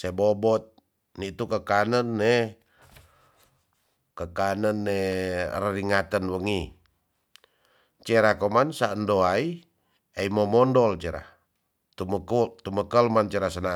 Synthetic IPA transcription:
sebobɔt̪̚ | nit̪ukəkanənːe | kəkanənːerəriŋat̪ənwəŋi | t͡ʃeɾakomansaəndoai | eimomɔndɔlt͡ʃeɾa̰ | t̪umkut̪uməkəlmant͡ʃeɾasəna

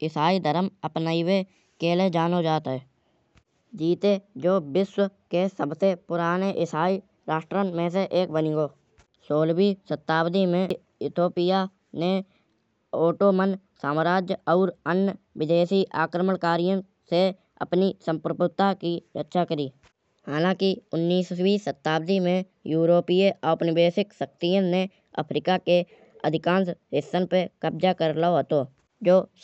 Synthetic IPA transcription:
ɪsaːid̪əɾəməpnaːiwe | keːled͡ʒaːnod͡ʒaːt̪ɦɛː | d͡ʒiːt̪ed͡ʒoːbɪswkesəbsepʊɾaːneʔɪsaːi | ɾaːʃʈɾənmẽs̬eʔeːk̚bəniɡoː | soːlbiːsət̪ːaːwd̪imẽ | ɪt̪ʰoːpɪja | ne | oːʈoːmən | saːmɾaːd͡ʒjɔːɾənːʋɪd̪eːsiʔa̰ːkɾəməɳkaːɾijə̃ | se | ə̰pnisə̃mpɾəpʊt̪ːakiɾətːʃʰakəɾiː | haːlãːkiʊnːiːswisət̪ːaːbd̪imẽ | juːɾoːpijeʔapnɪbeːsɪksək̚t̪ijə̃ne | ə̰pʰɾɪkake | ə̰d̪ʱɪkãːnsɦɪsːənpekəb̚d͡ʒakəɾlaːoɦət̪oː | d͡ʒoː

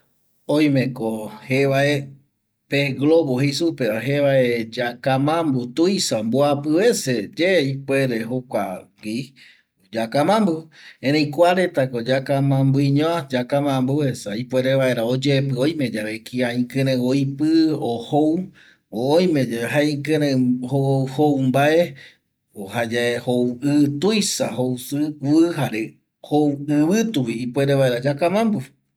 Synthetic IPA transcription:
õj̃mẽkoheβae | peɡloβoɦesupeaɦeβaed͡ʒakamãmbut̪ujsamboapɨβe̞sed͡ʒeipweɾeɦokʷa̰ɡi | d͡ʒakamãmbuẽɾẽjkʷaɾet̪akod͡ʒakamãmbuiɲõad͡ʒakamãmbuhesaipweɾeβaeɾaod͡ʒepɨojmẽd͡ʒaβekʰiaĩkẽɾẽojpɨohow | oːj̃mẽd͡ʒaeɦaĩkɨ̃ɾẽhohowmbae | ohad͡ʒahowɨt̪ujsahowsɨkuɨɦaɾe | hoɨβɨt̪uiːpweɾeβaeɾad͡ʒakamãmbu

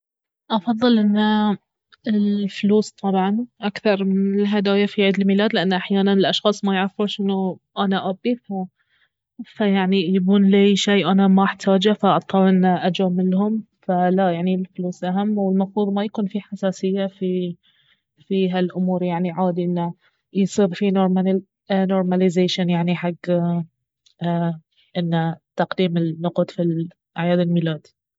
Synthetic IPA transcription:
ʔɑfɑðˤːɨlʔɪnːa | ɪlfluːst̪ˤɑbʕɑnʔakθɑɾˤmɪnɪlɦad̪aːjafiʕiːd̪ɪlmilaːd̪lɪʔanːʔaħjaːnanɪlʔɑʃxɑːsˤmajʕafʊɾʃʔɪnːʔanaʔabiːθa | fajaʕnijaɡuːnlaʃeːʔanamaʔɪħt̪ʰaːd͡ʒafaʔɑt̪ˤːɑːlʔɪnːʔad͡ʒaːmɪlɦʊm | falajaʕnilfluːsʔaɦamːwɪlmɑfɾuːðˤmajakuːnfiħasaːsɪjːafi | fiɦalʔʊmuːɾjaʕniʕaːd̪iʔɪnːa | jsˤiːɾfinoɾma | noːɾˤmalɪzeːʃanjaʕniħaɡː | ʔɪnːat̪ɑqd̪iːmɪnːʊqt̪ˤfil | ʔaʕjaːd̪ɪlmiːlaːd̪i̥

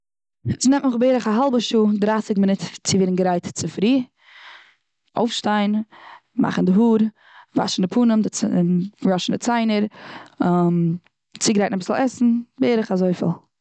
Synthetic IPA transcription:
snɛmtmʊχbeɪɾəχaɦalˠbəʃuːdɾaːsɪkmɪnɪtt͡sɪveːɾnɡəɾaɪtt͡sɪfɾiː | o̰ʊfʃtaɪn | ma̰χn̩dɪɦuːɾ | va̰ʃn̩dɪpʰuːnəmdɪ | ɾɔʃn̩dɪt͡saɪnəɾ | m | t͡sɪɡɾaɪtnabɪsl̩ˠɛsn̩beɪɾəχazoɪfɪ̰lˠ

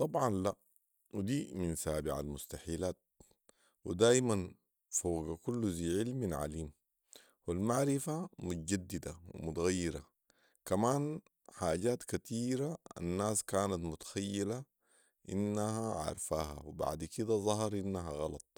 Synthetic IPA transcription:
t̪ˤɑbʕɑnla | wid̪iːminsaːbɪʕa̰lmʊst̪aħiːlaːt̪̚ | wḭd̪aːjman | foːɡakulːuziːʕilminʕa̰liːm | wilmaʕɾifamut̪aɟad̪ːid̪awḭmut̪aɣajːiɾa | kamaːn | ħaːɟaːt̪kat̪ʰiːɾaa̰nːaːskaːnat̪mʊt̪ḁxajːila | ʔinːahaʕɑ̰ɾˤfaːɦa̰wiba̰ʕd̪kid̪azˤɑɦɑɾˤʔinːaɦaɣɑlɑt̪ˤ

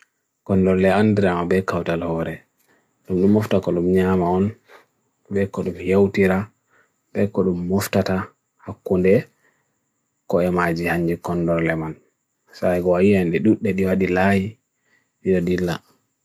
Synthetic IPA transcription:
kɔndɔɾlɛandiɾamabɛkawtalhɔːɾɛ | ɗumɗumːɔftakɔɗumɲamaɔn | bɛkɔɗumhewtiɾa | ɓɛkɔɗumːɔftata | hakːundɛ | kɔɛmad͡ʒihaɲːd͡ʒikɔndɔɾlɛman | sajkɔwawiandɛɗuɗːɛɗiwaɗilaji | ɗiɗɔdilːa̰

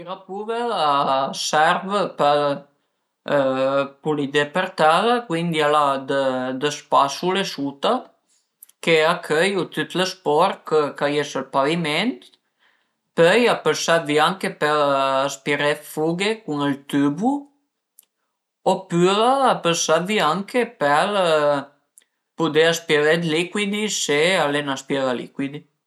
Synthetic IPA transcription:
iɾapuvəasɛɾvəpə | pulid̪epəɾt̪aðəkwind̪ialad̪əd̪əspasulesut̪a | keakʰœjut̪yt̪ləspɔɾkəkajesəlpavimɛnt̪ | pøjapəsat̪viaŋkepɛlaspiɾɛt̪fuɡekuŋəlt̪ybu | opylaapəsat̪viaŋkepɛl | pud̪easpelɛt̪likwid̪isealenaspjɛðalḭkwid̪i

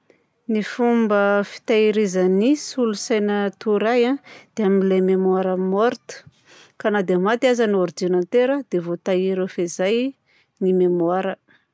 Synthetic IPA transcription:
nifumbəfi̥t̪aiɾizənisulusajnət̪uɾajãd̪̥eaminlememwaɾəmoɾt̪u̥ | kanad̪emat̪iazanoɾd͡ʒinant̪eɾəd̪evot̪aiɾefezaj | nimemoaɾə

